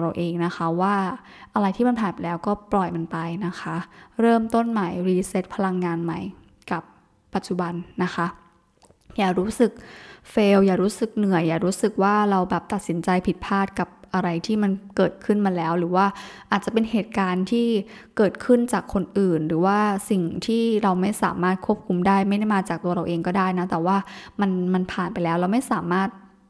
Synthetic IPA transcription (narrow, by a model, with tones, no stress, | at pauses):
ɾa˧wʔeː˧ŋna˦˥xʰa˦˥waː˥˩ | ʔa˧ɾa˧jt̪ʰiː˥˩ma˧npʰaː˨˩pa˨˩lɛː˦˥wkɔː˥˩plɔ˨˩jma˧npa˧jna˦˥xʰa˦˥ɾɤː˥˩mt̪o˥˩nmaː˩˦jɾiː˧se˦˥t̪̚pʰa˧la˧ŋːaː˧nma˦˥j | ka˨˩p̚ː | a˨˩t̪̚t͡ɕu˨˩ba˧nːa˦˥xʰa˦˥ | jaː˨˩ɾuː˦˥sɯ˨˩k̚feː˧wjaː˨˩ɾuː˦˥sɯ˨˩k̚nɯ˨˩əjːaː˨˩ɾuː˦˥sɯ˨˩k̚waː˥˩ɾa˧wbɛː˨˩p̚t̪a˨t̪̚si˩˦nt͡ɕa˧jpʰi˨˩t̪̚pʰaː˥˩t̪̚ka˨˩p̚ʔa˧ɾa˧jt̪ʰiː˥˩ma˧nkɤː˨˩t̪̚kʰɯ˥˩nma˧nlɛː˦˥wɾɯː˩˦waː˥˩ʔaː˨˩t̪̚t͡ɕa˨˩pe˧nɦeː˨˩t̪̚kaː˧nt̪ʰiː˥˩ | kɤː˨˩t̪̚kʰɯ˥˩nt͡ɕaː˨˩kʰːo˧nʔɯː˨˩nɾɯː˩˦waː˥˩si˨˩ŋt̪ʰiː˥˩ɾa˧wma˥˩jsaː˩˦maː˥˩t̪̚kʰu˥˩əp̚kʰu˧mdaː˥˩jma˥˩jda˥˩jmaː˧t͡ɕaː˨˩k̚t̪u˧ɐɾa˧wʔeː˧ŋkɔː˥˩daː˥˩jna˦˥t̪ɛː˨˩waː˥˩ma˧nma˧npʰaː˨˩npa˧jlɛː˦˥wɾa˧wma˥˩jsaː˩˦maː˥˩t̪̚